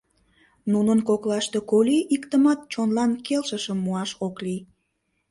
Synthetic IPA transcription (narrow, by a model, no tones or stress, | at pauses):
nunənkoklɑʃt̪ekoliʔikt̪əmɑt̪̚t͡ɕonlɑnkelʃəʃəmːuɑʃoklij